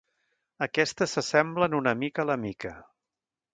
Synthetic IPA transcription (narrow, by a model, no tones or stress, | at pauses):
əkɛst̪əsəsɛmblənunəmikələmikə